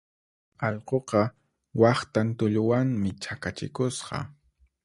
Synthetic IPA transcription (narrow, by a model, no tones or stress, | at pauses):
ɑʎqoqɑ | wɑχt̪ant̪ʊʎʊwaŋmɪt͡ʃakat͡ʃɪ̰kʊsqɑ̰